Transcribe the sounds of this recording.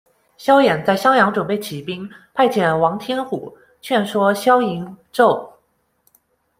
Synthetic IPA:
ɕjɑ˥ʊjɛ˨˩nt͡sa˥˩ɪɕjɑ˥ŋjɑ˧˥ŋʈ͡ʂwə˨˩npe˥˩ɪt͡ɕʰi˨˩pi˥ŋpʰa˥˩ɪt͡ɕʰjɛ˨˩nwɑ˧˥ŋt̪ʰjɛ˥nxu˨˩˦ | t͡ɕʰɥɛ˥˩nʂwɔ˥ɕjɑ˥ʊi˧˥nʈ͡ʂo˥˩ʊ

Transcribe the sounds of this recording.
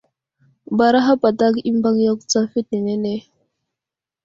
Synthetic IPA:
ba˨ɾa˦ɦa˦pa˨ta˦ki˦m˦ba˦ŋjo˦kt͡sa˦fi˦t̚ne˨ne˦ne˦

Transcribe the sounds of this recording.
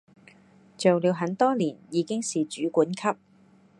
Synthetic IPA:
t͡so˨wliː˨˧wɦɐ˨˥nt̪ɔː˥liː˨˩njiː˨˧kɪ˥ŋsiː˨t͡ʃyː˨˥kuː˨˥nkʰɐ˥p̚

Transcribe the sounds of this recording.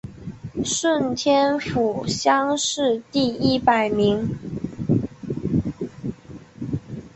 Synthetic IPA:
ʂwə˥˩nt̪ʰjɛ˥nfu˨˩ɕjɑ˥ŋʂɻ̩˥˧t̪i˥˩i˥pa˨˩ɪmi˧˥ŋ

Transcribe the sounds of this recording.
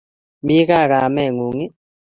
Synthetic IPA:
mi˦ɣa˦˨ɣa˨mɛ˦˨ŋu˨ŋɪ˦

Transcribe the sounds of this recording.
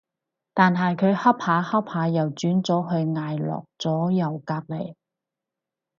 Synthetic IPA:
t̪aː˨nɦɐ˨jkʰɵ˨˧ɥhɐ˥p̚haː˨˧hɐ˥p̚haː˨˧jɐ˨˩wt͡ʃyː˨˥nt͡sɔː˨˥ɦɵ˧ɥŋaː˨jlɔ̰ː˨k̚t͡sɔː˨˥jɐ˨˩wkaː˧k̚le˨˩j

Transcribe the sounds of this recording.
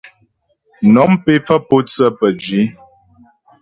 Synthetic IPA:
nɔ˨˦mpe˨˦p͡fə˦po˦t͡sə˦pə˨d͡ʒɥi˨˦

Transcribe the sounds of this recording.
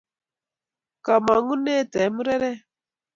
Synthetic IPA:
ka˨ma˨ŋu˦ne˦˨tɛ˨˦mu˦ɾɛ˦ɾɛ˦

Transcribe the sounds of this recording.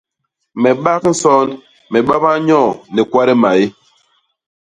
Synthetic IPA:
mɛ˨ɓa˦kn̩˦sɔ˦n | mɛ˨ɓa˦ba˦ɲɔ̃˦˨nɛ˨kwa˦ɾɛ˦ma˨e˦

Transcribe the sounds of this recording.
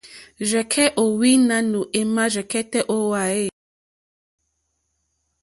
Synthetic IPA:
ʒɛ˨kʰɛ˦ʔo˨wi˦nã˦nu˨ʔe˦mã˦ʒɛ˨kɛ˦tɛ˦ʔo˦wa˨e˦˨

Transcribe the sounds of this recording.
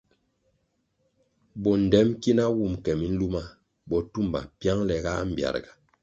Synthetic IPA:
bɔ˨n̩˨dɛ˦mki˦na˦wu˦˨mkɛ˨mi˨˦n̩˦lu˦ma˦˨ | bɔ˨tu˦˨mba̰˨pja˦ŋlɛ˨ɡa˦m̩˦˨bja̰˨ɾɡa˨

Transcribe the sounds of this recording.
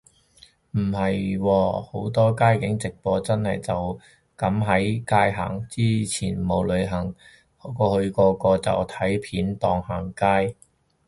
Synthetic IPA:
m̩˨˩hɐ˨jwɔː˧ho˨˥wt̪ɔː˥kaː˥jkɪ˨˥ŋt͡sɪ˨k̚pɔː˧t͡sɐ˥nhɐ˨jt͡sɐ˨w | kɐ˨˥mɦɐ˨˥jkaː˥jɦa̰ː˨˩ŋt͡siː˥t͡sʰiː˨˩nmo˨˧wlɵ˨˧ɥɦɐ˨˩ŋ | hkɔː˧hɵ˧ɥkɔː˧kɔː˧t͡sɐ̰˨˩wt̪ʰɐ˨˥jpʰiː˨˥nt̪ɔː˧ŋhaː˨˩ŋkaː˥j

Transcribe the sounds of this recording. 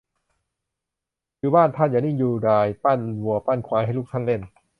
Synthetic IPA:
juː˧˦baː˥˩˨nt̪ʰa˥˩nja˨˩ni˥˩ŋjuː˧˩daː˧jpa˥˩˨nwu˨˩əpa˥˩nkʰwaː˧˦jha˥˩jlʰuː˥˩˨t̪ʰa˥˩˨le˥˩n

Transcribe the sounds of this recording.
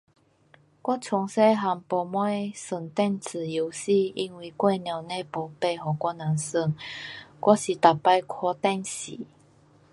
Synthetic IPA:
kwɔ˦˥t͡sʰʊ˧˦ŋse˦ɦa˧ŋpɔ˨˩mwa˥˦sə˨˩ŋt̪ɛ˥˧nt͡sʰɨ˨˩ju˨˧˦si˥˧i˧˥nwi˨˩kwe˥˧nja˨˩nẽ˧˦pɔ˨pe˥˧ɦɔ˨˩kwɔ˦na˨˦sə˧˩ŋkwɔ˦˥ɕi˨t̪a˨pːa˧jkʰwɔ˧t̪ɛ˥˧nɕḭ˨˦

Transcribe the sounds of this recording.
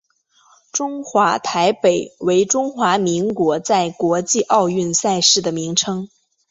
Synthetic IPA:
ʈ͡ʂʊ˥ŋxwa˧˥t̪ʰa˧˥ɪpe˨˩ɪwe˧˥ɪʈ͡ʂʊ˥ŋxwa˧˥mi˧˥ŋkwɔ˧˥t͡sa˥˩ɪkwɔ˧˥t͡ɕi˥˧ʔɑ˥˧ʊy˥˧nsa˥˧ɪʂɻ̩˥˩d̪ə˩mi˧˥ŋʈ͡ʂʰɤ˥ŋ

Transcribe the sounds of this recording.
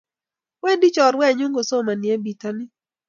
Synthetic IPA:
wɛ˦ndi˦t͡ʃɔ˨ɾwɛ˦˨ɲo˦ŋɡo˨so˦˨ma˨njɛ˦bi˨ta˦nɪ˦

